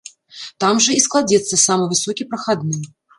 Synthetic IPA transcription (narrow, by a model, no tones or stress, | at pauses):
t̪amʐɨisklˠad͡zʲɛt̪sːɐsamɨjvɨsokʲipɾɐxad̪nɨj